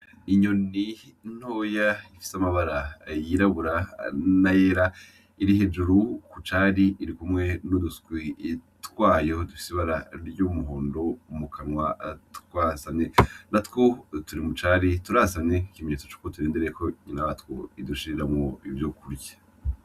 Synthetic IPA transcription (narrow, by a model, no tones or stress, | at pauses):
iɲo̞nin̥hoːjaifi̥samaβaɾajiɾaβuɾanajeːɾa | iɾihe̞d͡ʒuɾukut͡ʃaɾiːɾikumŋe̞nudusɡwi | twaːjo̞dufi̥siβaɾa̰ɾjumuɦoːndo̞mukʰanwatkwaːsanenatkotuɾimut͡ʃaɾituɾasane̞kimeɲet͡sot͡ʃu̥ːkotuɾeːndeɾeeko̞ɲinaβatwoiduʃiiɾamŋoivjokuɾjḁ